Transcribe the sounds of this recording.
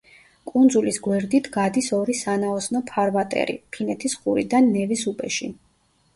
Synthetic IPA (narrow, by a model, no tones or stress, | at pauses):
kʼund̪zulisɡwɛɾd̪it̪ʰɡad̪isɔɾisanaɔsnɔpʰaɾvat̪ʼɛ̰ɾḭpʰinɛt̪ʰisχuɾid̪anːɛvisupʼɛʃi